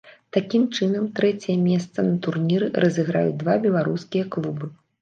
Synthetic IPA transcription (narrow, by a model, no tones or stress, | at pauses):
t̪akʲimt͡ʂɨnɐmt̪ɾɛt͡sʲɛjɐmʲɛst̪sɐnɐt̪urnʲiɾɨrʔɐzʲɨɣɾa̰jṵd͡zʲd̪vabʲɛlˠaɾuskʲijɐklˠubɨ